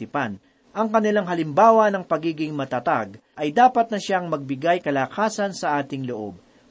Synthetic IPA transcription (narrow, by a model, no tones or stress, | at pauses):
ɪpan | ʔɐŋkɐnɪlaŋɦɐlɪmbaːwɐnɐŋpɐɡiːɡɪŋmɐt̪ɐt̪a̰ɡ | ʔɐjd̪aːpɐt̪̚nɐʃaŋmɐɡ̚bɪɡajkɐlaːkʰaːsɐnsɐʔaːt̪ɪŋloʔo̞̰b̚